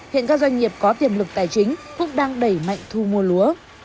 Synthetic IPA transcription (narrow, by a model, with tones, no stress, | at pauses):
hḭ˧˨nkaː˦˥kzwa˧jŋ̟ːŋi˨˩əp̚kɔ˨˦t̪i˨˩əmlɨ˨˩k̚t̪aː˧˩jt͡ɕï˨˦ŋ̟kʊ̰˧˥ŋ͡mɗaː˧ŋɗə˧˩jma̰˧˨jŋ̟t̪ʰu˧mu˧əlu˨˦ə